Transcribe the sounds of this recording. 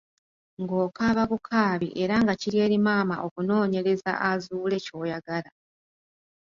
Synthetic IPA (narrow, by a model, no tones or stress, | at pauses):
ŋɡo̞ːkaːβaβukʰaːβḭʔe̞ɾaŋɡaciɾje̞ːɾimaːma̰ʔo̞kuno̞ːɲe̞ɾe̞za̰ʔazuːle̞co̞ːjaɡala